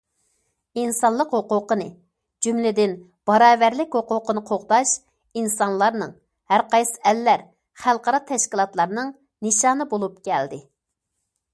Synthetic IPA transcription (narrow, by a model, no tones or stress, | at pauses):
insɑnlˠəqɦoqʊqənɨ | d͡ʒymlɪd̪ɪn | b̥ɑɾɑːvæɾlɪkʲɦoqʊqənɨqʰoχt̪ɑʃ | insɑnlˠɑɾnɨŋ | hæɾqɑjsɨ̥ælːæɾ | χælˠqɑɾɑt̪ʰɛʃkʲilˠɑt̪lˠɑɾnɨŋ | nɨʃɑːnɨbolˠup̚kʲʰɛld̪ɪ